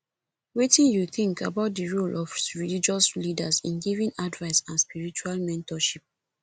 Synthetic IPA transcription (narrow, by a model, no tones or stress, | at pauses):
wetĩnjuθĩŋkabaʊt̚diɹolʔɔfɹilid͡ʒɔslidasḭ̃nɡivĩnadvaɪsãnspiɹit͡ʃualmɛ̃ntɔʃip̚